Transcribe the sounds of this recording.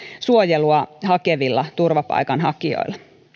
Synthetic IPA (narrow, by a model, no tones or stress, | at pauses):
suojeluɑhɑkeʋilːɑt̪urʋɑpɑ̰ikɑnɦɑkio̰ilːɑ